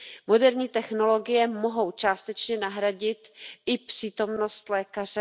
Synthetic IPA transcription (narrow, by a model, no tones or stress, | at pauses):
mo̞dɛɾɲiːt̪ɛxno̞lo̞ɡɪjɛmoɦo̞wt͡ʃaːst̪ɛt͡ʃɲɛnaɦɾaɟɪt̪ʔɪpr̝̥iːt̪o̞mno̞st̪lɛːkar̝ɛ